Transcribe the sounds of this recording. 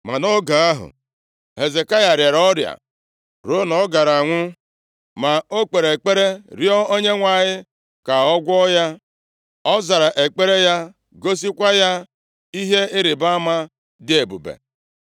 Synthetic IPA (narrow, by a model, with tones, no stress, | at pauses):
ma˨no˦ɡa˨a˦ɦʊ̰˨ | ɦhe˨ze˨ka˦ja˨ɾje˨ɾɔ˦ɾja̰˨ | ɾo˦nɔ˦ɡa˨ɾa˨ŋʷʊ˦ | ma˨o˦k͡pe˨ɾe˨k͡pe˦ɾe˦ɾjɔ˦o˦ɲe˦ŋʷa˨ɲɪ˦ | ka˨ɔ˦ɡʷɔ˦ja˦ | ɔ˦za˨ɾa˨ʔe˨k͡pe˦ɾe˦ja˦ | ɡo˦s̬i˦kʷa˦ja˦ | i˦ɦe˦ɪ˦ɾɪ˨ba˦a˦ma˦ | dɪ˦e˨bṵ˨bḛ˨